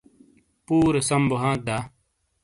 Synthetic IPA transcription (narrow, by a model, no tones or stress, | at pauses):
puːɾsɐmbʊɦãːd̪aː